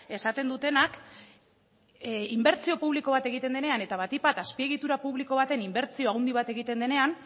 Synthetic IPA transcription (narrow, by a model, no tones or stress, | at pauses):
e̞sat̪e̞nd̪ut̪e̞nak | imbe̞ɾt͡sio̞puβ̞liko̞β̞at̪e̞ɣ̞it̪e̞nd̪e̞ne̞ane̞t̪aβat̪ipat̪aspie̞ɣ̞it̪uɾapuβliko̞β̞at̪e̞nimbe̞ɾt͡sio̞awnd̪iβ̞at̪e̞ɣ̞it̪e̞nd̪e̞ne̞an